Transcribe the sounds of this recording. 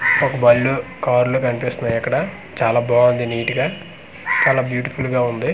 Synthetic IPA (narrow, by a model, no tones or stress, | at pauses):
okɐbɐlːukaːɾluːkɐnipeːst̪unaːjɐkːɐɽɐ | t͡ʃaːlaːbaːʋɐnd̪iniːʈiɡaː | t͡ʃaːlaːbjuːʈipʰulɡaːund̪i